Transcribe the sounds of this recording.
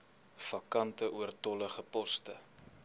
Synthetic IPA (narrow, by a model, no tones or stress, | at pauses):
fɐkɐntəʔuərtɔləχəpɔstə